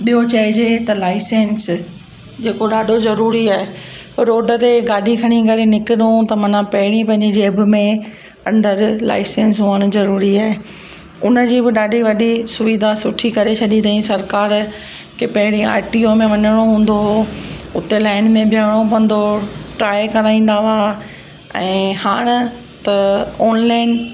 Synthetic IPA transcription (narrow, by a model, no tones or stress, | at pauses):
ɓijot͡ɕɐɦɪd͡ʑet̪ɐlaːɪsẽːns | d͡ʑeːkoɗaːɖʱozɐɾuːɾiaːɦe | ɐɾoːɖʱə̆t̪eɡaːɗikʰɐɽ̃ĩkɐɾenɪkɪɗũt̪ɐmɐnãpɐɦɪɽ̃ĩpɐ̃ɦɪ̃ɲd͡ʑed͡ʑeɐbʱʊ̆mẽ | ɐ̃nd̪əɾla̰ːɪsẽːnsɦuəñ̆zɐɾuːɾiaːɦe | ʊnə̆d͡ʑiːbɪɗaːɖʱiʋɐɗisʊʋɪd̪ʱasʊʈʰikɐɾet͡ɕʰɐɗĩt̪ɐĩsɐɾkaːɾ | kʰepɐɦɪɽ̃ĩa̰ːʈiomẽʋɐɲəɽ̃oɦũːn̆d̪oɦʊt̪elaːɪnmẽbʱɪjaːɽ̃opɐ̃n̆d̪oʈɾaːjkɐɾaːĩːn̆d̪aʋa | ɛ̃ːhaːɽ̃ɪ | t̪ɐɔːnlaːɪn